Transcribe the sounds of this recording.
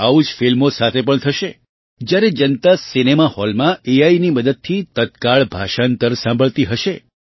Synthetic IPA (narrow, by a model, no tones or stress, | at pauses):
aud͡ʒfilmosat̪ʰepəɳt̪ʰəʃe | d͡ʒjaɾed͡ʒənt̪asinemahɔlmãeainiməd̪əd̪̚t̪ʰit̪ət̪kaɭbʱaʃant̪əɾsãmbʱəɭt̪iɦəʃe